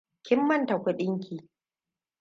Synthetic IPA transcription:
kʲɪ˦mːɐ˦˨nta˨kʷʊ˦ɗɪ˦ŋkʲiː˨

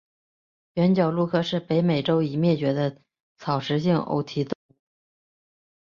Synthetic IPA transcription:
ɥɛ˧˥nt͡ɕjɑ˨˩ʊlu˥˧kʰɤ˥˧ʂɻ̩˥˩pe˧˥ɪme˨˩ɪʈ͡ʂo˥ʊi˧˩mjɛ˥˩t͡ɕɥɛ˧˥d̪ə˧ | t͡sʰɑ˨˩ʊʂɻ̩˧˥ɕi˥˩ŋʔo̰˧˥ʊt̪ʰi˧˥t̪ʊ˥˧˥

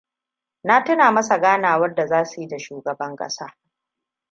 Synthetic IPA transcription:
na˦tʊ˦naː˨mɐ˦sa˨ɡaː˦naː˨wɐ˦rda˨zaː˦su˨ji˦da˨ʃuː˨ɡɐ˨bɐ˦ŋkʼɐ̰˦saː˦

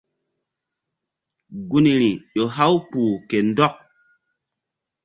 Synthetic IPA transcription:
ɡu˦ni˨ɾi˨ʄo˨ɦa˦wk͡puː˨ke˨n˦dɔ˦k̚

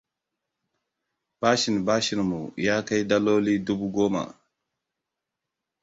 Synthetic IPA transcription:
b̥a˦ʃi˨n˨ba˦ʃi˨n˨mṵ˨ja˦ka˦jda˦lo˦li˦du˦bu˦ɡo˦ma̰˨

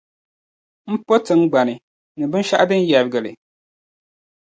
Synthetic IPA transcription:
m̩˦po˦tɨ˦ŋ̩˦ɡ͡ba˨nɨ˨ | nɨ˨bɨ˦n˦ʃa˦ʔa˦dɨ˦n˦jɛ˨ɾɡɨ˨lɨ̰˨

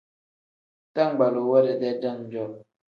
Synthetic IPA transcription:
ta˦ŋ˨ɡ͡ba˨lo˨wɔ˦ɾɛ˨dɛ˦da˦˨ŋ˨d͡ʒɔ˦˨

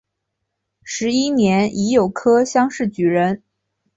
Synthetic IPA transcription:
ʂɻ̩˧˥i˥njɛ˧˥ni˧˥jo˨˩ʊkʰɤ˥ɕjɑ˥ŋʂɻ̩˥˩t͡ɕy˨˩ɻə˧˥n

